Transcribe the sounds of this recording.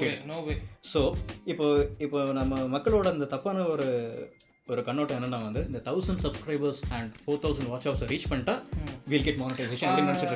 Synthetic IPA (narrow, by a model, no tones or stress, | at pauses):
knoʋesoːɪpːoːɪpːoːnɐmːɐmɐkːɐɭoːɽɐnd̪ɐt̪ɐpːaːnɐɔɾɯ | ɔɾɯkɐɳːoːʈːɐɛnːɐnːãːʋɐnd̪ɯɪnd̪ɐt̪ʰɐʊsɐɳɖsɐbskɾɐɪbɐɾsɛ̃ɳɖfoːɾt̪ʰɐʊs̬ɐ̃ɳɖʋaːʈsɐpsɾiːt͡ʃpɐɳːɪʈaːʋiʋɪlɡeʈmaːnɪʈɐɪseːʃɐ̃nɐːimnɐnt͡ʃːkːɾ